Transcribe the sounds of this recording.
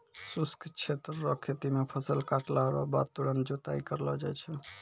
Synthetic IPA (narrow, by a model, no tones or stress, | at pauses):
suskt͡ʃʰet̪ɾːɔkʰet̪imepʰəsəlkaʈlaɦɾɔ̰ba̰d̪̚t̪uɾənt̪̚d͡ʒot̪aikəɾlɔd͡ʒajt͡ʃʰɛ